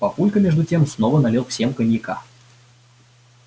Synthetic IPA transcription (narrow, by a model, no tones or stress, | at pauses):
pɐpulʲkəmʲeʐd̪ʊtʲemsnovənɐlʲilˠfsʲemkənʲjɪka̰